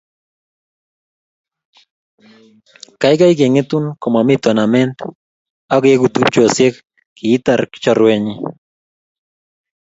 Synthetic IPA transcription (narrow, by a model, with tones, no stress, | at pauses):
ka˨jka˦jk̬e˨ŋe˦t̪u˦nkɔ˨ma˨mit̪ɔ˨na˨mɛ˦nt̪ | a˦ke˦kut̪u˦p̚t͡ʃosje˦k | kiː˨˦t̪aɾkt͡ʃɔɾweɲi